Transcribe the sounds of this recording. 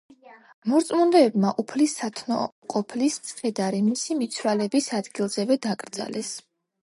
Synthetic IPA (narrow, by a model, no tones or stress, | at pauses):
mɔɾt̪sʼmund̪ɛːbmaʔupʰlisat̪ʰnɔ̰qʼɔpʰlissʰʼχɛd̪aɾimisimit̪sʰɾalɛbisad̪ɡilˠzɛvɛd̪akʼɾd̪za̰lɛs